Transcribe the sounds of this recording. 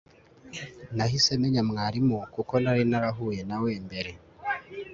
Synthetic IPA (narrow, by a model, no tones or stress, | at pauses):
naɦisemeɲamŋaɾimukukonaɾinaɾaɦujenaweːmbeɾe